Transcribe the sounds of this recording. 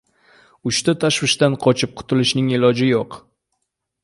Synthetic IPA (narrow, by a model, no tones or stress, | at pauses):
ʊʃt̪at̪ʰaʃwɪʃt̪anqʰɒt͡ʃʰɪp̚qʰʊ̥t̪ʰɪlɪʃnɪŋelɒd͡ʒɪjoq